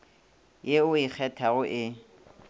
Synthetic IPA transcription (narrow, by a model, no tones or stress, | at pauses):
jeʊɪk͡xʰɛtʰaɣʊʔɪ